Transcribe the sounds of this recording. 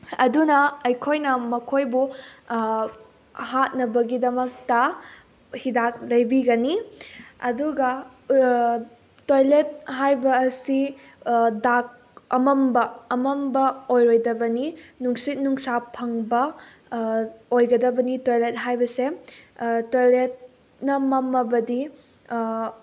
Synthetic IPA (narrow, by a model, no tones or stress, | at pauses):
ɐdunɐɐjkʰojnɐmɐkʰojbu | hat̚nɐbɐɡidɐmɐk̚tɐ | hidak̚lɐjbiɡɐniɐduɡɐ | tojlet̚ɦajbɐːsi | dak̚ | ɐmɐmbɐːmɐmbɐojɾojdɐbɐninuŋsit̚nuŋsapʰɐŋbɐ | ojɡɐdɐbɐnitojlet̚ɦajbɐse | tojlet̚ | nɐmɐmːɐbɐdi